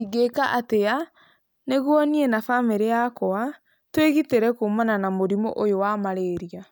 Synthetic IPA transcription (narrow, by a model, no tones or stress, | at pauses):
iɡekaʔatea | neɣwɔniɛnafameɾeakɔa | tweɣiteɾɛkomananamoɾimo̰ʔojowamaɾeːɾia